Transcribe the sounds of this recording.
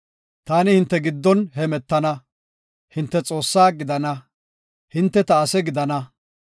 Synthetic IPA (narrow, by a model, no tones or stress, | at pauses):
t̪aːnɪhɪnt̪ːɛɡɪd̪ːɔnhɛmɛt̪ːɐnɐ | hɪnt̪ːɛt͡sʼo̞ːsːaːɡɪd̪ɐnɐ | hɪnt̪ːɛt̪ɐːsɛɡɪd̪ɐnɐ